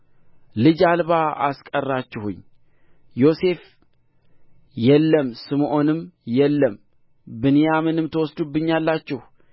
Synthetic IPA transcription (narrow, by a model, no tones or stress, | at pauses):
lɨd͡ʒalβaʔa̰skʼərːat͡ʃːɪhṵɲː | jo̞se̞f | jɛlːəmsɨmʔo̞nɨmjɛlːəm | bɨnɨjamɨnɨmt̪ʰəwɔsd̪ubːɨɲːalːat͡ʃːɪh